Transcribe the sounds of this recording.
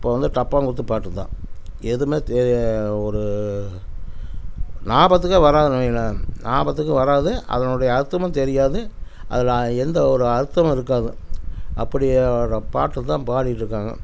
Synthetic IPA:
ɪpːoːʋɐnd̪ɯʈɐpːaːŋɡʊɽɯt̪ːɯpːaːʈːɯt̪ːã̰ːɛðɯmeːt̪ɛɾɔɾɯ | naːbɐt̪ːɯkːɐʋɐɾaːðɯnɐmɐjɐlɐnaːbɐt̪̬ːɯkːɯʋɐɾaːðɯʔɐ̰ðɐnʊɽɐjɐːɾɯt̪ːɐmɐ̃mt̪ɛɾɪjaːðɯʔɐ̰ðɪlɛnd̪ɐɔɾɯɐɾɯt̪ːɐmɐmɪɾɯkːaːðɯʔɐpːɐɽɪɐɾɐpaːʈːɯt̪ːãːpaːɽɪʈːɾɯkːaːŋɡɐ̰

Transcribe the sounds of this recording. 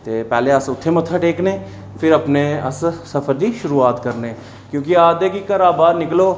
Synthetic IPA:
t̪eːpɛːleːəsʊt̪ʰːeːmət̪ʰːaːʈeːkneː | pʰɪɾəpneːəssəpʰəɾd̪iːʃʊɾuːaːt̪kəɾneː | kjõːkɪaːd̪eːkikəɾaːbaːɾnɪkloː

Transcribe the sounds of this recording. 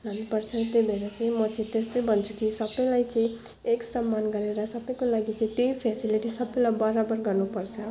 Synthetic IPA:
lʌnːupʌrt͡sʰʌt̪ebʱeɾat͡sʌĩmʌt͡sʌĩt̪est̪ojbʱʌnt͡sʰukisʌbʌjlajt͡sʌĩ | eksʌmːanɡʌɾeɾʌsʌbʌjkolaɡit͡sʌĩt̪ejpʰasiliʈisʌbʌjlajbʌɾabʌrɡʌrnupʌrt͡sʰʌ

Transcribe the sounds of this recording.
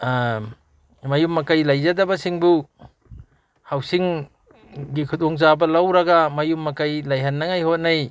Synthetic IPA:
mɐjumːɐkajlɐjzɐdɐbɐsiŋbu | hawsiŋ | ɡikʰudoŋzabɐlawɾɐɡamɐjumːɐkajlɐjɦɐnːɐŋajhot̚naj

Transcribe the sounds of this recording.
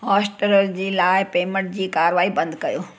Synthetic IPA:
ɦaːsʈəɾəɾd͡ʑiːlaːɪpeːmə̃ɳʈ̚d͡ʑiːkaːɾʋaːibɐ̃nd̪kɐjoː

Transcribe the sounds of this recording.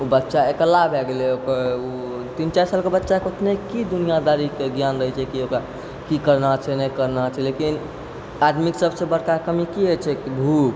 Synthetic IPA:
obətːʃaekəlabʱɛɡelɛokəɾo | t̪int͡ʃaisalkebətːʃakot̪nekid̪unijad̪aɾikeɡjanɾəɦɛt͡ʃʰɛkiokɾa | kikəɾnat͡ʃʰɛnɛkəɾnat͡ʃʰɛlekin | ad̪miksəbsẽbəɽkakəmikiet͡ʃʰɛkibʱuk

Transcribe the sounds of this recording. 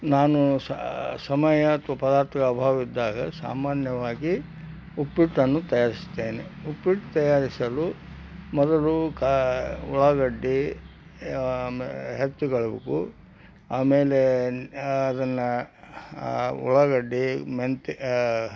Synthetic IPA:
naːnussɐmɐjɐːt̪ʰʋɐpɐd̪aːɾt̪ʰɐkɐbʱaːʋɐʋid̪ːaːɡɐsa̰ːmaːnjɐʋaːɡi | upːiʈːɐnːut̪ɐjaːɾist̪eːneupːiʈt̪ɐjaːɾisɐlu | mɔd̪ɐlukuɭɐɡɐɖːi | ɦet̪ːuɡɐɭubekṵ | a̰ːmeːleː | d̪ɐnːɐ | ṵɭɐɡɐɖːiment̪

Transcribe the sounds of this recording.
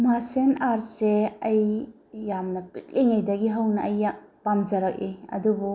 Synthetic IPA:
masenaɾseɐjː | amnɐpit̚leŋɐjdɐɡiɦɐwnɐɐjapamzɐɾɐk̚iɐ̰dubu

